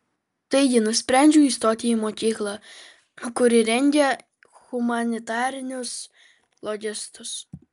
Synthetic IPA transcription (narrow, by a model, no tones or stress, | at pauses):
t̪ɐɪɡʲɪnʊsʲpʲɾʲænʲd͡ʒʲuːiːst̪oːt̪ʲɪjimoːkʲiːklˠɑ | kʊɾʲɪɾʲɛnʲɡʲɛ | ɣʊmɐnʲɪt̪ɑːɾʲɪnʲʊs | lˠɔɡʲɪst̪ʊs